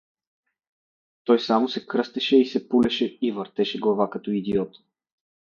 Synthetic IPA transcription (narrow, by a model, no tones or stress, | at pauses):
t̪ɔjsamosɛkɾɤst̪ɛʃɛisɛpulɛʃɛivəɾt̪ɛʃɛɡlˠavakɐt̪ɔid̪iɔt̪